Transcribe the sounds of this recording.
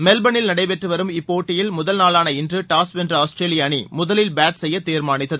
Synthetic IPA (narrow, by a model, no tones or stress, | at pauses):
mɛlbɐnɪlnɐɽɐɪpɛʈrɯʋɐɾɯmɪpːoːʈːɪjɪlmʊðɐlnaːlaːnɐɪndrɯʈaːspɛndrɯaːsʈɾeːlɪjaːɳimʊðɐlɪlbaːʈsɛjːɐt̪ːiːɾmaːɳɪt̪ːɐðɯ